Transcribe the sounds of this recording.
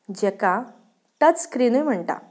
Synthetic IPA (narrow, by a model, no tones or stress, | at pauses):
d͡ʑɛka | t̪ət͡sskɾinəjm̤əɳt̪a̰